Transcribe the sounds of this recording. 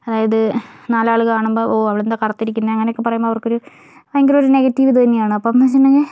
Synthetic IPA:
ɐðaːjɐðɨnaːlaːɭɨkaːɳumboːʔoːɐʋiɭend̪aːkɐrɐt̪ːiɾik̬ʲːunːɐɐŋːɐneokːɨpɐrɐjumboːʋɐrko̞ɾu | eŋɡiloɾune̞ɣɐtːiʋiðɐt̪ɐnːijaːɳɨɐpːoːmɐt͡ɕinːɐŋe

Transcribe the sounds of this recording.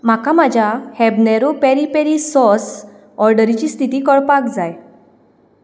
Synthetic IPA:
makamad͡ʑʱjahɛbnɛɾopɛɾipeɾisɔs | ɔɾɖəɾit͡ɕiːst̪ʰit̪iːkəɭpakd͡zaj

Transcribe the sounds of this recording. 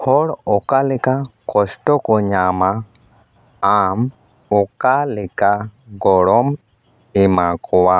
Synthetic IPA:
hɔɽɔkalɪkakɔsʈɔkɔɲama | am | ɔkalɪkaɡɔɽɔm | ɪmakɔwa

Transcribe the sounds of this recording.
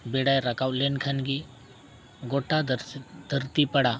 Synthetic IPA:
beɽajɾakawlenkʰanɡi | ɡoʈad̪ʱəɾt̪ipəɽa

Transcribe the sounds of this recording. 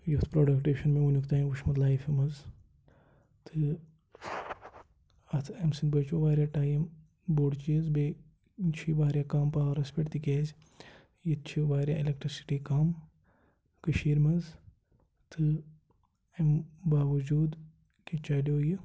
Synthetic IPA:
juft̪ʰpɾoːɖɐkʈeːʃɐnmẽunʲukt̪aːĩʋuʃmɐd̪laːjfimɐz | t̪ʰɨ | ɐt̪ʰemsinbɐt͡ʃoːʋaːɾjaʈaːjm | boɖt͡ʃizbe | t͡ʃʰibaːɾʲjakaːmpaːɐɾɐspeʈt̪ikeːz | jit̪t͡ʃʰiʋaːɾja̰ilek̚ʈɾisi̥ʈiːkaːm | kɐʃiːɾmɐz | t̪ʰɨ | embaːʋɐd͡ʒuːd̪ | kit͡ʃaːɖoːji

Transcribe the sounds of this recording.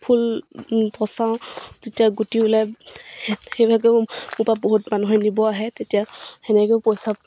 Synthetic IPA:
pʰulpɔsaw̃zetijaɡutiʊlaj | hejbʱaɡɛmupabɔɦutmanuɦɔjnibɔaɦɛtetijahɛnɛkɛpɔjsa

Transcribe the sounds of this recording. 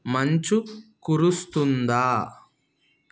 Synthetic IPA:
mɐɲt͡ʃukuɾust̪und̪aː

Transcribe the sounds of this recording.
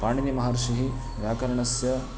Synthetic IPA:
paːɳinɐmɐɦaːɾʃiɦi | ʋjaːkɐɾɐɳɐsjɐ

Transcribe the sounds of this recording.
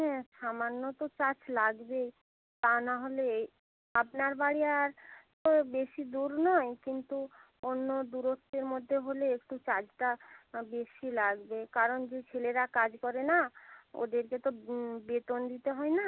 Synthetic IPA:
ɦɛ̃ʃamanːot̪ot͡ɕat͡ɕlaɡbe | t̪anaɦole | apnaɾbaɽiaaɾt̪obeʃid̪uɾnɔekint̪u | onːod̪uɾot̪ːeɾmod̪ʱːeɦoleek̚ʈut͡ɕad͡ʑʈabeʃilaɡbekaɾond͡ʑet͡ɕʰeleɾakad͡ʑkɔɾenao̰d̪eɾket̪obet̪ond̪it̪eɦɔena

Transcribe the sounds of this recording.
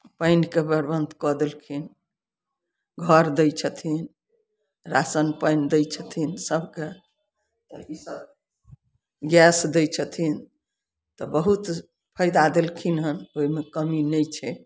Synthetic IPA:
pəɪnkebəɾbənd̪kɔd̪elkʰin | ɡʱəɾd̪əjt͡ʃʰət̪ʰin | ɾasənpəjnd̪əjt͡ʃʰət̪ʰinsəbʱke | t̪ɔ̰isəb | ɡjɛsd̪ɛjt͡ʃʰət̪ʰin | t̪ɔbəɦut̪ | pʰəjd̪ad̪elkʰinɦənojmekəminɛjt͡ʃʰɛ

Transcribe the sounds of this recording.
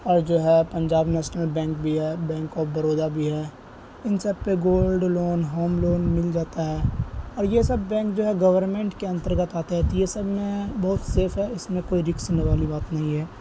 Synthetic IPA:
ɔːɾd͡ʒoːɦɛpɐ̃ɲd͡ʒaːbnɛːʃnəlbɛ̃ːŋk̚bʱiɦɛːbɛ̃ːŋkɔːbɐɾoːd̪abʱiɦɛː | ɪnsɐb̚peɡoːlɖloːnɦoːmloːnmɪld͡ʒaːt̪aɦɛːɔːɾjesɐbːɛ̃ːŋkd͡ʒoːɦɛɡɐʋəɾnmẽːɳʈkeɐ̃nt̪əɾɡət̪aːt̪eɦɛt̪ojesɐbʱmẽbɐɦʊt̪seːfɦɛɪsmẽkoːiɾɪksʊneʋaːlibaːt̪nɐɦĩɦɛː

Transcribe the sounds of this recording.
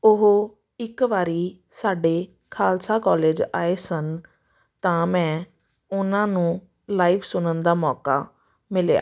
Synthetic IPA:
ʊɦo | ɪkʋaːɾiː | saːɖeː | kʰaːlsaːkɔːleːd͡ʒaːeːsən | t̪ãːmɛ̃ː | ʊnãːnũː | laːiːʋsʊnənd̪aːmɔːkaː | mɪlea̰ː

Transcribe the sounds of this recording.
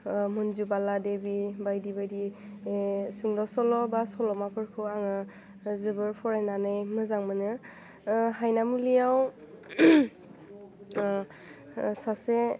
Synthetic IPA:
mɔnzubaladebibajdibajdi | suŋlɔsɔlɔbasɔlɔmapʰɯɹkʰɯaŋɯ | zɯbɯɹpʰɔɹɛnanajmɯzaŋmanɯ | hajnamulijaw | sase

